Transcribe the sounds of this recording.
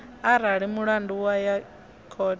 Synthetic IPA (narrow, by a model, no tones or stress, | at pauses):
aɾaɺimuɺanduwaja | kʰɔ